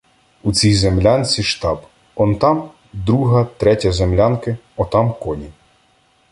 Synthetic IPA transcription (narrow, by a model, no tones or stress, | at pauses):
ut͡sʲijzemlʲanʲt͡sʲiʃt̪ɑb | ɔnt̪ɑm | d̪ɾuɦɐt̪ɾɛtʲɐzemlʲankɪ | ɔt̪ɑmkɔnʲi